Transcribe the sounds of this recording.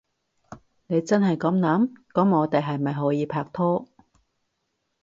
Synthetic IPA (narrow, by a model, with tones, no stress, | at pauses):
ne˨˧jt͡sɐ˥nɦɐ˨jkɔ˨˥mnaː˨˥mkɔ˨˥mŋɔː˨˧t̪e˨jɦɐ˨jmɐ˨jɦɔː˨˥jiː˨˧pʰaː˧k̚t̪ʰɔː˥